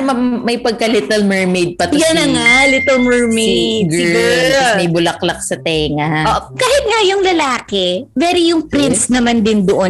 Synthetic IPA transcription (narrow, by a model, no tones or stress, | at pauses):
ɐmɐjpɐɡ̚kɐlɪt̪ɛlmɛɹmejd̪̚pɐt̪ʊjɐnɐŋalɪt̪ɛmɛɹmed̪ɡɪɛuːɾɾomɐjbʊlɐklɐk̚sɐt̪ɛːŋɐʔoʔkaːhɪt̪̚ŋajʊŋlɐlaːkɛvɛɾijʊŋpɾɪnsnɐmand̪ɪnd̪oʔo